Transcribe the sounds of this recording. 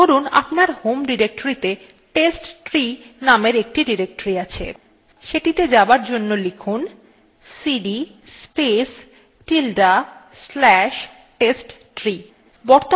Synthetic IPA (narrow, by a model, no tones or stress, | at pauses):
oɾuna̰pnaɾhomɖiɾek̚ʈoɾit̪e | ʈesʈʈɾinameɾek̚ʈiɖiɾek̚ʈoɾiat͡ɕʰḛ | ʃeʈit̪ed͡ʑabaɾd͡ʑonːolikʰun | siɖi | spes | ʈilɖa | slɛʃ | ʈesʈʈɾi | bɔɾt̪o